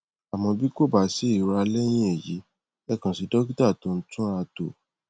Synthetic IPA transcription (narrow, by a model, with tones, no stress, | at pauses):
a˨mɔ̃˧bi˦ko˦˨ba˨˦si˦i˦˨˧ɾa˧lɛ˦j̃ĩ˦e˨jḭ˨˦ | ɛ˦kã˧˨si˧dɔ˦ɡi˦ta˦˨to˧˨n̩˦tũ˦a˧to˨